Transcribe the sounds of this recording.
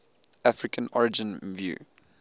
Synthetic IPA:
afɹɪkʰə̃nɔɹɪd͡ʒə̃nvjṵː

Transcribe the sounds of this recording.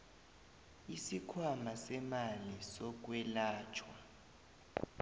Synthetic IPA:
isikʰwamasɛmalisɔk̬ʼwɛlaːt͡ʃʰwa

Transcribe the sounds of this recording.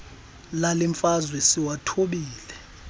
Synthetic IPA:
laliɱfazwɛsiwatʰoɓiːlɛ

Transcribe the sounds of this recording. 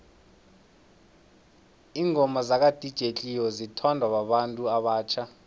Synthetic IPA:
iːŋʱɔmazak̬ʼad̥ʱid̥ʒ̥ʱet͡ɬʼijɔzitʰɔndʱwawaɓantʼuaɓaːt͡ʃʰa

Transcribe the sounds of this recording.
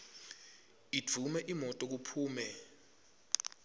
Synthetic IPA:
id͡v̥ʱumɛʔimɔtʼɔk̬upʰuːmɛ

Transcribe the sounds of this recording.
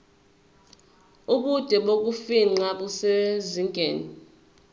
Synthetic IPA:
uɓud̥ʱɛɓok̬ufiŋ͡ǀaɓuseziŋɡʼʱeːni

